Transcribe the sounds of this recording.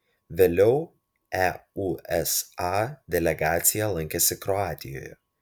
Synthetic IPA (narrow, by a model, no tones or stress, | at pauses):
ʋʲeːlʲɛʊ | æuɛsɑd̪ʲɛlʲɛɡaːt̪sʲɪjɛlˠɐŋʲkʲɛsʲɪkɾɔɑːt̪ʲɪjo̰ːjɛ̰